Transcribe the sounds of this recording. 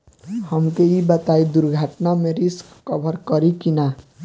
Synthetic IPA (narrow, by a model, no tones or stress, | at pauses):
həmkeibət̪aid̪uɾɡʱaʈnamẽɾɪskːəbʱəɾkəɾikina